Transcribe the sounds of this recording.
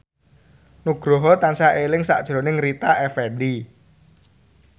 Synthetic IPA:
nuɡ̥ɾɔɦɔt̪ansaʔelɪŋsa̰ʔd̥ʒ̥ɾonɪŋɾit̪aʔɛfɛnɖi

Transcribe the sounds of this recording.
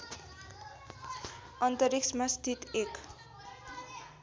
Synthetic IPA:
ʌnt̪ʌɾiksmast̪ʰit̪ek

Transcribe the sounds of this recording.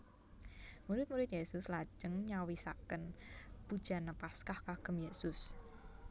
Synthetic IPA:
muɾɪt̪̚muɾɪt̪jesʊslḁd͡ʒ̥əŋɲawisa̰kənb̥ud̥ʒ̥a̤nəpaskahkaɡ̥ə̤mjesʊs

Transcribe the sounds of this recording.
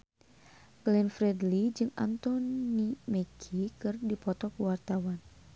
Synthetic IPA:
klɛnfɾɛdlid͡ʒɨŋa̰nt̪ɔnimɛkʰikɨrdipɔt̪ɔkuwart̪awan

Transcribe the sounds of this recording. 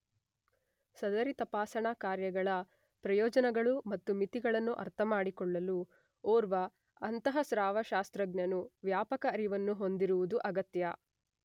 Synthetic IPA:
sɐd̪ɐɾit̪ɐpaːsɐɳakaːɾjɐɡɐɭɐ | pɾɐjɔːd͡ʒɐnɐɡɐɭumɐt̪ːumit̪iɡɐɭɐnːuʔɐ̰ɾt̪ʰɐmaːɽikɔɭːɐlu | ɔːɾʋɐː | nt̪ɐɦɐsɾaːʋɐʃaːst̪ɾɐɡnjɐnuʋjaːpɐkɐːɾiʋɐnːuɦo̞nd̪iɾuʋud̪uʔɐɡɐt̪jɐ

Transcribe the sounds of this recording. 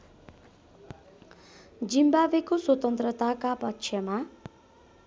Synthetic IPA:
d͡ʒimbabekoswʌt̪ʌnt̪ɾət̪akapʌtːʃʰjʌma

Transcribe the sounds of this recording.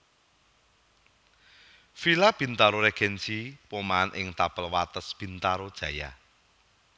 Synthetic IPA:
filab̥i̤nt̪aɾoɾɛɡ̥ɛnt͡ʃiwomanʔɪ̰ŋt̪apəlwat̪əsb̥i̤nt̪aɾod̥ʒ̥ä̤ja̰

